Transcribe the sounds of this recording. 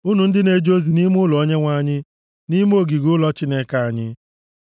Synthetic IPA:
u˦nu˨n̩˦dɪ˦ne˨d͡ʒo˦zi˨ni˦mʊ˦lɔ˨o˦ɲe˦ŋʷa˨˦˨ɲɪ˦ | ni˦m˦o˦˨ɡi˨ɡʊ˦lɔ˦t͡ʃi˦ne˦ka˨a˨ɲɪ˦

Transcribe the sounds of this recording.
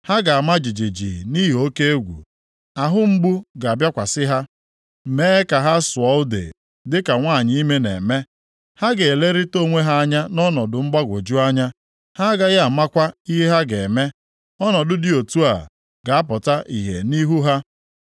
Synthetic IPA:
ha˦ɡa˨a˨ma˦d͡ʒi˨d͡ʒi˨d͡ʒḭ˨ni˦ɦo˦ke˦e˦ɡʷṵ˨ | a˨ɦʊ˦ŋ͡m̩˦bu˦ɡa˨bja˦kʷa˨sɪ˦ɦa˦˨ | me˦e˦ka˨ɦa˦sʊ˨ɔ˦ʊ˦dḛ˨ | dɪ˦ka˨ŋʷaː˦˨ɲɪ˦i˦me˦nḛ˨me˦ | ha˦ɡe˨e˨le˦ɾi˦to˦˨ŋʷe˦ɦa˦a˦ɲa˦nɔ˦nɔ˨dʊ˨ŋ͡m̩˦ɡ͡ba˦ɡʷo˨d͡ʒu˦a˦ɲa˦ | ha˦ɡa˦ɣa˨ma˦kʷa˦i˦ɦe˦ɦa˦ɡe˨me˦ | ɔ˦nɔ˨dʊ˦dɪ˦o˨tu˦a̰˨ | ɡa˨a˦pɔ˨ta˦ʔi˨ɦḛ˨ni˦ɦu˦ɦa˦

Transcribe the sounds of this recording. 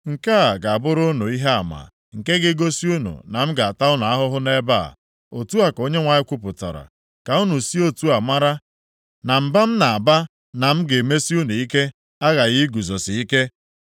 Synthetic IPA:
ŋ̩˨ka˦a˨ɡa˨a˨bʊ˦ɾʊ˦no˨i˦ɦe˦a˨ma̰˨ | ŋ̩˨ke˦ɡɪ˦ɡo˦si˦u˦nṵ˨na˨m̩˦ɡa˨a˨ta˦ʊ˦na˨a˦ɦʊ˦ɦʊ˦ne˦ba̰˦˨ | o˨tu˦a˨ko˦ɲe˦ŋʷa˨ɲɪ˦kʷʊ˦pʊ˨ta̰˨ɾa̰˨ | ka˨u˦nu˨si˦o˦tu˦a˨ma˦ɾa˦ | na˨m̩˦ba˦m̩˦na˨a˨ba˦ | na˨m̩˦ɡe˨me˦si˦u˦nu˨i˦ke˦ | a˦ɣa˨ɣi˦ɡu˨zɔ˨sɪ˨i˦ke˦

